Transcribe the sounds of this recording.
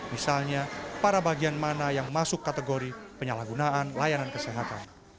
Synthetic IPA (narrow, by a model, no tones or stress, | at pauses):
misalɲapaɾabaɡianmanajaŋmasʊkːat̪əɡoɾipəɲalahɡunaʔanlajanankəseɦat̪an